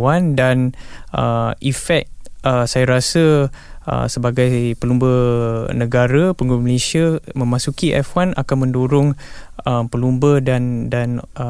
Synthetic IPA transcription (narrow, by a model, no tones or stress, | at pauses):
andanʔəifɛk̚əsajaɾasəə̰səbaɡajpəlumbənəɡaɾəpəŋɡuməlesiamə̃mãsukiʔɛfwanʔa̰kanmə̃nduɾʊŋəmpəlumbədandan